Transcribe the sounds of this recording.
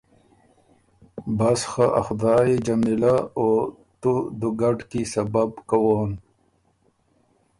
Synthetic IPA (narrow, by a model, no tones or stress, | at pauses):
basxaʔa̰xd̪aːjed͡ʑamilao | t̪ud̪uɡaɖkisɐbabkawoːn